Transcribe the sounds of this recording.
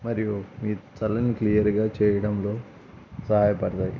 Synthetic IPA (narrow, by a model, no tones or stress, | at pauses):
mɐɾijumiːt̪ɐlɐniklijɐɾɡaːt͡ʃɛːjɐɽɐmlo̞ː | sɐɦaːjɐpɐɽɐt̪aːjḭ